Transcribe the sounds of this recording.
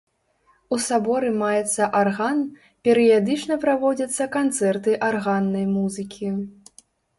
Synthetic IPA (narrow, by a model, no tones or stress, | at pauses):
usabɔɾɨmajɛt̪sːɐʔarɣan | pʲɛɾɨjad̪ɨt͡ʂnɐpɾavɔd͡zʲɐt̪sːɐkant̪sɛrt̪ɨʔarɣanːɐjmuzɨkʲʰi